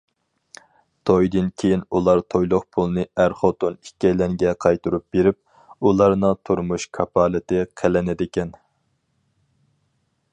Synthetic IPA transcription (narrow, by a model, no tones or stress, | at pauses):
t̪ʰojd̪ɨnkʲʰejinulˠɑɾt̪ʰojlˠʊχpʰulˠnɨæɾχot̪onikʲɛjlɛŋɡʲɛqʰɑjt̪uɾup̚b̥eɾɪp̚ | ulˠɑɾnɨt̪ʰuɾmuʃkʰɑpʰɑːlˠɪt̪ɪqʰelɪnɪd̪ɪkʲɛn